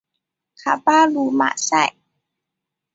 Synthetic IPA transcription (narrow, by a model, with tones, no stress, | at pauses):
kʰa̰˧paː˥˨luː˧˦ma̰˧˨sa̰˧˩˨j